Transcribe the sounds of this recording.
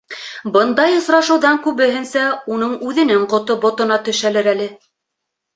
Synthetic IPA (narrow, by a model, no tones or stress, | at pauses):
bɤnd̪ɑjŏsɾɑʃɤ̆wðɑŋkʉβɘ̆ɦɘ̆nsæunɤɴʉðɘ̆nɘŋqŏt̪obŏt̪ŏnɑt̪ɵ̆ʃælɘɾælɘ